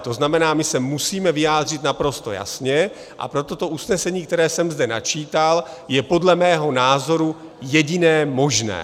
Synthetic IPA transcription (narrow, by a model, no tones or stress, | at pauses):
t̪o̞znamɛnaːmɪsɛmusiːmɛvɪjaːd̪r̝ɪt̪napɾo̞st̪o̞̰ja̰sɲɛ | ʔa̰pɾo̞t̪o̞t̪o̞ʔusnɛsɛɲiːk̚t̪ɛɾɛːsɛmzdɛna̰t͡ʃiːt̪aljɛpo̞dlɛmɛːɦo̞naːzo̞ɾu | jɛɟɪnɛːmo̞ʒnɛ̰ː